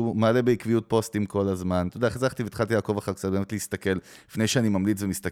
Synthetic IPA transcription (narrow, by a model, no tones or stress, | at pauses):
umalebeikvijut̚po̞stimko̞lazmantodaχezaχt̪iveit̪χalt̬jaːko̞vaχakt͡sat̚bemetleist̪ake̞llifne̞jʃeanimamlit͡svemist̪ak